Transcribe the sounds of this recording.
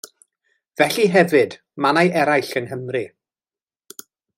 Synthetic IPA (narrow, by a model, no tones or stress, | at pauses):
v̥ɛɬiɦɛvɨd | manajʔɛɾajɬənɦəmri